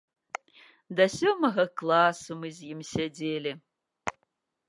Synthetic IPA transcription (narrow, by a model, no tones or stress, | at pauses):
dasʲomɐɣɐklˠasumɨzjɪmsʲedeːlʲɪ